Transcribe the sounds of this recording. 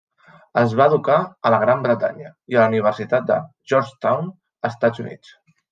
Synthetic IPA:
əzβaːðukaələɣ̞ɾambɾət̪a̰ɲəiələuniβ̞ərsit̪at̪̚d̪ə̰ | ʒɔɾt͡ʃt̪awn | əst̪ad͡zunḭt͡s

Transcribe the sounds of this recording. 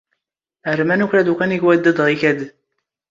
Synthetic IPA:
əɾmænuçɾæd̪ukæniʝwæd̪ːæd̪ʁiçæd̪

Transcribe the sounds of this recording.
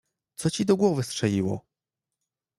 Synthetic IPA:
t̪sɔt͡ɕid̪ɔɡwɔvɘstʂɛliwɔ̰

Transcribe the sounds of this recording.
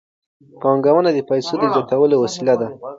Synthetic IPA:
pɑŋɡawənad̪əpajsod̪əzjɑt̪awəlowasilad̪a

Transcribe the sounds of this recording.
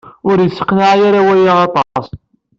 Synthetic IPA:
ʊɾjəsːə̥qːənʕajaɾawæjiʁɑt̪ˤɑs

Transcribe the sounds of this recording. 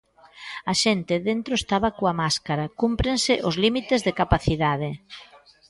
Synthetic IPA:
ɐʃent̪ɪðent̪ɾoest̪aβɐkoamaskaɾakumpɾensɪʔʊzlimit̪ezðekapaθiðaðe

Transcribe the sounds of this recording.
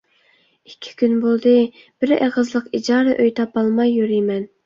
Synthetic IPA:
i̥kʲʰːi̥kʲynbolˠd̪ɨ | b̥ɪɾḛʁəzlˠəqid͡ʒɑːɾɨʔøjt̪ʰɑpɑlˠmɑjːyɾijmɛn

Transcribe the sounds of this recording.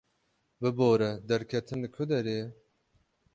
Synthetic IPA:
bɨboːɾɛd̪ɛɾkʰɛt̪ʰɨnd̪ɨkʰʊd̪ɛɾeː

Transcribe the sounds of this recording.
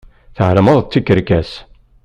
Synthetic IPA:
θəʕəlməðˤt͡s̪ːikːəɾkæs

